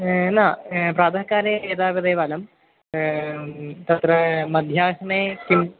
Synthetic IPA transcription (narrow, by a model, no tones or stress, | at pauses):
naːpɾaːd̪ʱɐkːaːɾeeːd̪aːʋɐðeːʋɐlɐm | t̪ɐt̪rɐmɐd̪ʱjaːɦɐɳeːkʲːum